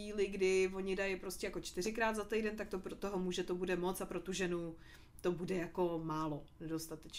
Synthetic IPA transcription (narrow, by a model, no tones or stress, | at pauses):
iːlɪɡdɪvo̞ɲɪdajɪpɾo̞scʲɛjakot͡ʃt̪ɪr̝ɪkɾaːd̪zat̪ɛjdɛnt̪akt̪opɾot̪oɦomuːʒɛt̪obudɛmo̞t͡sapɾot̪uʒɛnu | t̪o̞budɛjako̞maːlonɛdo̞st̪at̪ɛt͡ʃ